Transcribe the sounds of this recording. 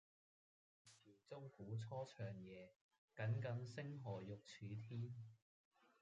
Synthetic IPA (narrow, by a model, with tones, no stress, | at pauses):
siː˨˩t͡so˥wfuː˨˥t͡sʰɔː˥t͡ʃʰœː˨ŋjɛː˨˧ | kɐ˨˥nkɐ˨˥nsɪ˥ŋɦɔː˨˩jʊ˨k̚t͡ʃʰyː˨˧t̪ʰiː˥n